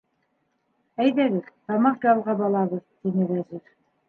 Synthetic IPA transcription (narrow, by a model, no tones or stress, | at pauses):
æjðæβɘɾt̪ɑmɑqd͡ʒɑlˠʁɑbɑlˠɑβɤðt̪inɘɾæzɘɾ